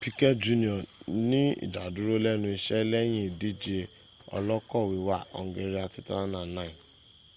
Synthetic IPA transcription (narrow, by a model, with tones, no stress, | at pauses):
pi˦kɛ˦d͡ʒu˦˧nĩ˨ɔ̃˨nĩ˦ḭ˦˨da˨du˨˦ɾo˦lɛ˦nũ˧i˧ʃɛ˦lɛ˦j̃ĩ˦˨di˦d͡ʒe˧ | ɔ̰˧lɔ˦kɔ˦˨wi˧wa˦˨ɔ̰˨ŋ˦ɡe˧ɾi˦a˧ti˦ta˦nã˦˨nã˦ĩ˨